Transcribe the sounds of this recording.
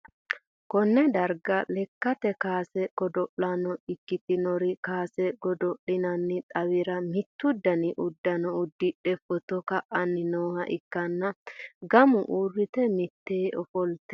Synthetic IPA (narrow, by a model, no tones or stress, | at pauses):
kɔnːɛd̪ɐɾɡɐlɛkːɐt̪ɛkaːsɛkɔd̪ɔʔːɐnɔɪkːɪt̪ɪnɔɾɪkaːsɛɡɔd̪ɔʔɪnɐnːɪt̪ʼɐwɪɾɐmɪt̪ːʊd̪ːɐnɪʔʊd̪ːɐnɔʊd̪ːɪᶑɛfɔt̪ɔkɐʔɐnːɪnoːhɐʔɪkːɐnːɐɡɐmʊʔuːrːɪt̪ɛmɪt̪ːeːʔɔfɔlt̪ɛ